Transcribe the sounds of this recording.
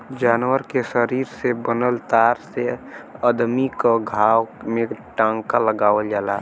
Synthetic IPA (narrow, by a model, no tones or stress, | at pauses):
d͡ʒaːnwəɾkesəɾiːɾsebənəlt̪aːɾseəd̪mikaɡʱaːwmẽʈãŋkaləɡaːʋəld͡ʒaːla̰